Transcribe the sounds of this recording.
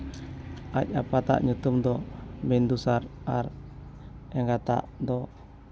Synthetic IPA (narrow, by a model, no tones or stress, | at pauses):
ʔac̚apat̪a̰ʔɲut̪umd̪ɔbɛnd̪usaɾaɾ | ɛŋɡat̪a̰ʔd̪ɔ